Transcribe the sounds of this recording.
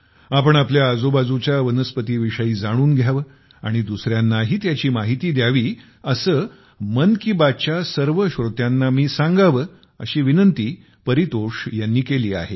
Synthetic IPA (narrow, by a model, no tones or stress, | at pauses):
apəɳapljaːd͡zobad͡zut͡ɕjaʋənəspət̪iːʋiʂəiːd͡zaɽ̃uːnɡʱjaʋə | a̰ɽ̃id̪usɾjanːaɦiːt̪jat͡ɕiːmaɦit̪iːd̪jaʋiː | əsəː | mənkiːbat͡ɕjasəɾʋəɕɾot̪janːamiːsãŋɡaʋə | ə̰ɕiːʋinənt̪iː | pəɾit̪oʂjanːiːkeliːa̰ɦe